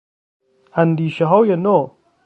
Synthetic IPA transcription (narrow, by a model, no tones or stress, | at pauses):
hɐnd̪iɕɐɦowjɐno